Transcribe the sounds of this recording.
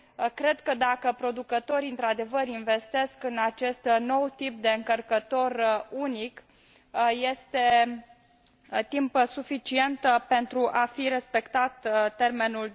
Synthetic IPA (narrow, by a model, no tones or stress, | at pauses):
kɾe̞d̪kəd̪akəpɾo̞d̪ukət̪o̞ɾiɨnt̪ɾad̪e̞vəɾinve̞st̪e̞skɨnat͡ʃe̞st̪no̞wt̪ip̚d̪e̞ɨŋkərkət̪o̞runik | je̞st̪e̞ | t̪impsufit͡ʃie̞nt̪pe̞nt̪ɾuʔafiɾe̞spe̞kt̪at̪t̪e̞rme̞nul